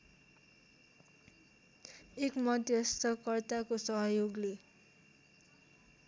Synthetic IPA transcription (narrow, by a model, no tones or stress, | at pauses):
ekmʌd̪jʌst̪ʌkʌrt̪akosʌɦʌjoɡle